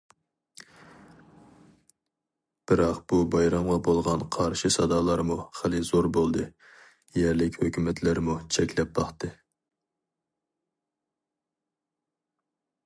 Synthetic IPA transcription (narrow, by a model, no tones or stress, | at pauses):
b̥ɪɾɑqb̥ubɑjɾɑmʁɑbolˠʁɑnqʰɑɾʃɨsɑd̪ɑːlˠɑɾmuχəlˠɨzoɾbolˠd̪ɨ | jɛɾlɪkʲhøkʲymɛt̪ʰlɪɾmut͡ʃʰɛkʲlɛp̚bɑχt̪ɨ